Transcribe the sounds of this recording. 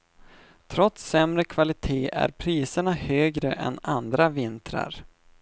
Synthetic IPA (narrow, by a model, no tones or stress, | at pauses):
t̪ʰɾɔt̪sːɛmɾəkʰvalɪt̪ʰeːʔæ̰ɾpʰɾiːsəɳahøːɡɾəʔɛ̰nand̪ɾavɪnt̪ʰɾa̰ɾ